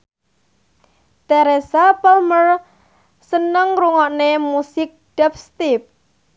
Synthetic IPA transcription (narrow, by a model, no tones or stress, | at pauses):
t̪aɾesapɔlmər | sənəŋruŋɔʔnemusɪk̚ɖ̥ɛp̚st̪ip̚